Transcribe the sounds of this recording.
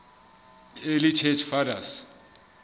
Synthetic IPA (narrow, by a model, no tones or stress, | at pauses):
elit͡ʃʰɛt͡ʃʰfadas